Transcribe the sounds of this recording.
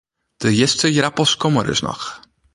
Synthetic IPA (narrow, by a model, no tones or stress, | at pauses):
d̥əjɛstəjɾapɔskɔməɾɪ̰snɔ̰x